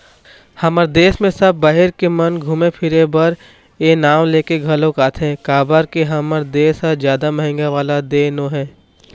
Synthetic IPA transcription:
hɐməɾd̪eːsmẽsɐb̚ːaːɦeɾkemɐnɡʱuːmepʰɪɾebɐɾ | eːnaːmleːkeɡʱɐlõkaːt̪ʰẽkaːbəɾkeɦɐməɾd̪eːsad͡ʒjaːd̪amɐɦɪ̃ŋɡaʋaːlad̪eːnoːɦɛ̃ː

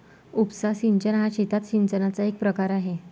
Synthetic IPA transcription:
upsasiɲt͡ɕənɦaɕit̪at̪ɕiɲt͡ɕənat͡saek̚pɾəkaɾaɦe

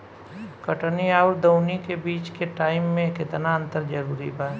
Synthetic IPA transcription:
kəʈniaːʊɾd̪oːnikebiːt͡ʃkeʈaːɪmːẽkɪt̪naə̃nt̪əɾd͡ʒəɾuːɾḭbaː

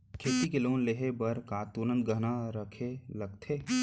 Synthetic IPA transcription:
kʰeːt̪ikeloːnleɦebəɾkaːt̪unə̃nt̪̚ɡəɦnaɾəkʰeləɡ̚t̪ʰeː

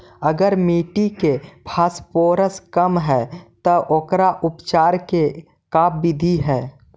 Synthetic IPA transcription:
əɡəɾmiːʈikebʰʱaːspoːɾəskəmɦɛːt̪əʔoːkɾaʔʊpt͡ʃaːɾke | kaːpbɪd̪ʱiɦɛː

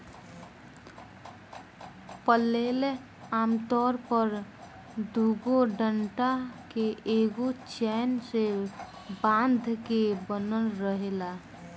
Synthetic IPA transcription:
pəleːl | aːmt̪ɔːɾpəɾ | d̪uɡoɖəɳʈakeeɡot͡ʃɛːnse | bãnd̪ʱkebənəlɾəɦela

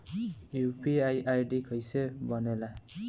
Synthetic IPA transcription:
jupiajʔajɖikʰʌjsebʌnela

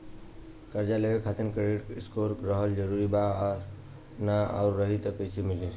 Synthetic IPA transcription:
kəɾd͡ʒalebekʰat̪inkɾeeʈkskoɾkɾəɦəld͡ʒəɾuɾiba | naa̰ʊɾːəɦit̪əkət͡ʃʰimili

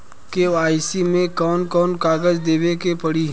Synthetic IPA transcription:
keaːɪsimẽkɔːnkɔːnkaːɡəd͡ʒd̪eːʋekepɐɽiɦ

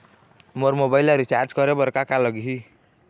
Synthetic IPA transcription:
moɾmobailʌɾit͡ʃaɾd͡ʒkʌɾebʌɾkakalʌɡiɦi

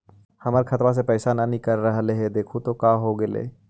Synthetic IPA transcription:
hɐməɾkʰɐt̪ʋas̬epɛːsananĩkɐɾːɐɦleɦɛd̪eːkʰut̪okaːɦoɡelḛː

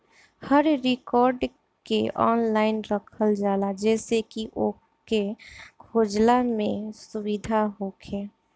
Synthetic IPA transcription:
həɾːɪkɔːɾɖ | keʔɔ̰ːnlaːɪnɾəkʰəld͡ʒaːlad͡ʒɛːsekiʔoː | kekʰoːd͡ʒlamẽsʊwid̪ʱaɦoːkʰeː

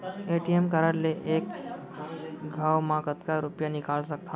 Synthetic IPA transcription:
eʈiemkəɾəɾleʔeːk | ɡʱaːwmãkət̪kaɾupjanɪkaːlsək̚t̪ʰa

